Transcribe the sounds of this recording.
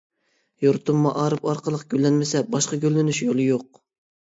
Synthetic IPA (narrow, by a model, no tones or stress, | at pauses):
joɾt̪umːɑʔɑːɾɨpɑɾqəlˠəqɡʲølːɛnmɪsɛbɑʃqɑɡʲølːɪnyʃjolˠɨjoq̚